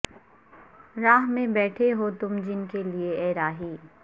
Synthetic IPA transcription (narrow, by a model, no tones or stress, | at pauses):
ɾaːɦmẽbɛːʈʰeɦot̪ʊmd͡ʒɪnkelieɛːɾaːɦiː